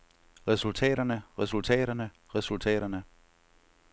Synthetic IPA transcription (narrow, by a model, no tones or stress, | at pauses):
ʁɛsult͡sʰɛ̰ːɾɐnəʁɛsult͡sʰɛ̰ːɾɐnə | ʁɛsult͡sʰɛ̰ːɾɐnə